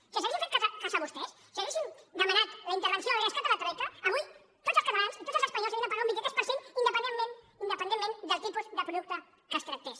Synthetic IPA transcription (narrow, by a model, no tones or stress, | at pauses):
siəs̬ɐesĩɱfet̪kazatkasaβust̪ɛs | siaβesind̪əmanat̪lɐint̪əɾβənsjoəɾəskat̪alat̪ɾɛt̪ɐːβuj | t̪ozəlskɐt̪alansit̪ot̪zəlˠzəspaɲolˠsĩñapaɣaũmbikɛt̪espəɾsĩnind̪əpənemen | ind̪əpənd̪emːẽnd̪əlˠt̪ipuzðəpɾuðuk̚t̪ɐ | əst̪ɾak̚t̪es